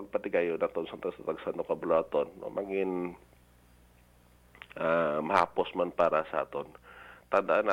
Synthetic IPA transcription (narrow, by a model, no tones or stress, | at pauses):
ɐɡ̚pɐt̪ɪɡajonat̪onsɐŋt̪ɐɡsat̪ɐɡsand̪okɐbʊloat̪onːo̰mʔaɡɪn | ʔamɐha̰ːposmanpaːɾɐsɐʔa̰t̪ont̪ɐnd̪aʔana